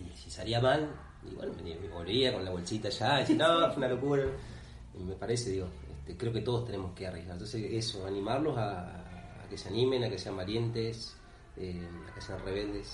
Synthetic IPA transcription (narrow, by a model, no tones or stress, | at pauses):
isisaɾiamal | ḭβwḛnomenimiβolβiakonlaβo̞lsit̪aʃaðesinoːesunalo̞kuɾa | me̞paɾeseðiɣo | ḛht̪ekɾe̞o̞ke̞t̪o̞ð̞ot̪e̞ne̞moskearjeɣaɾent̪onsesesoanĩmaɾlosa̰ː | keseanimẽ̞nakese̞ambalje̞nt̪es | ea̰keseanreβeld̪es